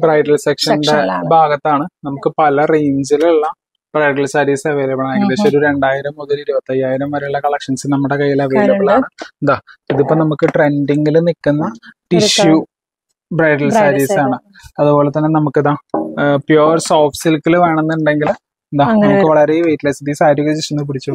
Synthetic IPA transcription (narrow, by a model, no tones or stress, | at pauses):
brɐjɖɐlsekʂɐnɖebʱaːɡɐt̪ːaːɳɨnɐmukːɨpɐlɐreːnd͡ʑiluɭːɐ | b̥rɐjɖɐlsɐɾiːsɐʋeːlɐbɐɳɐmaːjkɐd̪esoɾuɾe̞ɳɖaːjiɾɐmːuðɐliɾubɐt̪ːɐjaːjiɾɐmʋɐɾuɭːɐkɐɭɐkʂɐnsɨlnɐmːuɽekɐjːilɐʋeːlɐbɐɭaːɳɨnd̪aːiðipːonɐmukːɨʈre̞ɳɖiŋɡilɨnikːunːɐʈiɕju | breɖɐlsaɾisaːɳɨ | ɐðubo̞ːlet̪ːɐnːenɐmukːɨðaːpjoːrsoːfsilkːilʋeːɳenːɨɳɖe̞ŋɡil | nd̪aːnɐmukːɨʋɐɭɐɾeʋejʈːlɐjsit̪isaːɾjuɣɐd͡ʑiɕɐnːup̬iɽit͡ɕːu